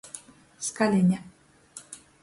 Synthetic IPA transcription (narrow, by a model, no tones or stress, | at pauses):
skalɛɲa